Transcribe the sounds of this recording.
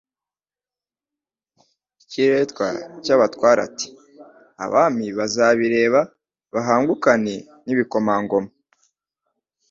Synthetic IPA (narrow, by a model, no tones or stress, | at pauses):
iciɾetkwa̰caβatkwaːɾa̰ti̥ | a̰βaːmiβazaβiɾe̞ːβa | βaɦaːŋɡukane | niβiko̞maːŋɡo̞ma